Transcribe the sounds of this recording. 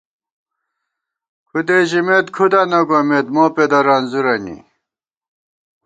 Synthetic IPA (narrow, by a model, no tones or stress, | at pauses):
kʰud̪eʑimet̪kʰud̪ɐnɐɡomet̪moːped̪ɐɾɐnzuɾɐnḭ